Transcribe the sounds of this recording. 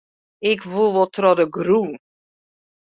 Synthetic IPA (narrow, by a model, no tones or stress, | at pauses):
ɪkʋulˠʋɔlˠtrɔdəɡrun